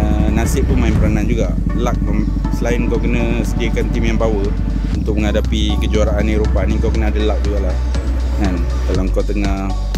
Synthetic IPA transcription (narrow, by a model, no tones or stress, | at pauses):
ənasɪʔpənmaɪmpəɾanand͡ʒuɡaʔ | lak̚um | səlaɪnŋkawkənə̃ | sədiəkant̪imjaŋbawə | unt̪ʊk̚məŋadapikəd͡ʒuaɾaʔaniɾopaniŋkawkənəadəlak̚d͡ʒuɡaʔlah | ŋan | dalaŋkat̪əŋa